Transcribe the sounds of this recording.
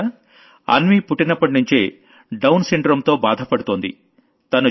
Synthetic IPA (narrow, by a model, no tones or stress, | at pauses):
ɐ̰nʋipuʈːinɐpːɐʈnuɲt͡ʃḛː | ɖɐwnsiɳɖɾɐmt̪o̞ːbaːd̪ʱɐpɐɽut̪oːnd̪ḭ | t̪ɐnu